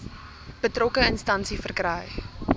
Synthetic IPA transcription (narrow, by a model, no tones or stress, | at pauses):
b̥ətrɔkəənstɐnsifərkrɛj